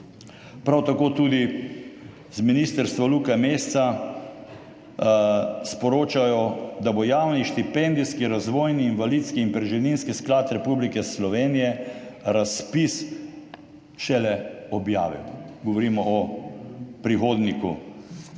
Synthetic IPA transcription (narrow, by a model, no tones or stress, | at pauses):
pɾawt̪akoːt̪ud̪i | zminiːst̪əɾst̪ʋalukameːst̪sa | spɔɾoːt͡ʃajɔd̪abojaːwniʃt̪ipɛ̃nd̪iskiɾazʋoːjniːnʋalit̪skiːnpɾɛʒɛlninskisklaːt̪ɾɛpublikɛslɔʋeːnijɛɾaspis | ʃɛlɛɔbja̰ːʋḭwɡɔʋɔɾiːmɔʔɔ | pɾixoːd̪niku